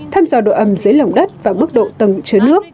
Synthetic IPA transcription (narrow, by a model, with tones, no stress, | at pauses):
t̪ʰaː˧mzɔː˧˩ɗo̰˧˨ʔə˧˩mzəː˨˦jlə˨˩wŋ͡mɗə˦˥t̚vaː˨˩mɨ˦˥k̚ɗo̰˧˨t̪ə˨˧˩ŋt͡ɕɨ˨˦nɨ˦˥ək̚